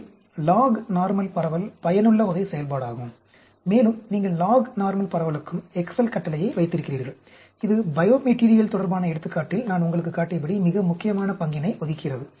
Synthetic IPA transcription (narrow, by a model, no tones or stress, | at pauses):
laːɣnaːɾmɐlpɐɾɐʋɐlpɐjɐnɯɭːɐɔðɐɪsɛjɐlpaːɽaːɣɯm | meːlɯmniːŋɡɐɭlaːɣnaːɾmɐlpɐɾɐʋɐlɯkːɯmɛksɐlkɐʈːɐlɐjɐɪʋɐɪt̪ːɪɾɯkːɪriːɾɣɐɭ | ɪðɯbɐjoːmɛʈiːɾɪjɐlt̪ɔɽɐɾbaːnɐɛɽɯt̪ːɯkːaːʈːɪlnaːnʊŋɡɐɭɯk̬ːɯkːaːʈːɐp̬ːɐɽimɪɣɐmʊkːɪjɐmaːnɐpɐŋɡɪnɐɪʔɔðɪkːɪrɐðɯ